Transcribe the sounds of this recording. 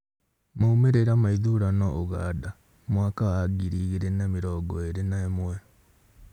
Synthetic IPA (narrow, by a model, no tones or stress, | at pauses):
maumeɾeɾamaiðuɾanɔʔoɣa̰ːda | mwakawaɡiɾiɣeɾenamiɾɔːɡɔeɾenaemwɛ